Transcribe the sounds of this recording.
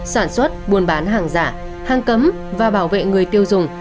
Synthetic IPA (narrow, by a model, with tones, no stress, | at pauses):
saː˧˩nswə˦˥t̚ɓu˨˩ənɓaː˨˦nɦaː˨˩ŋzaː˧˩ | haː˧ŋkə˨˦m | vaː˨˩ɓaː˧˩wvḛ˧˨ŋɨ˨˩əjt̪i˧əwzʊ˨˩ŋ͡m